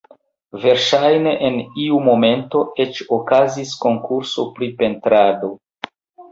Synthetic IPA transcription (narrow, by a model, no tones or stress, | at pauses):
ve̞ɾʃajne̞ʔeniumo̞me̞nto̞e̞t͡ʃokazisko̞ŋkuɾso̞pɾipe̞ntɾado̞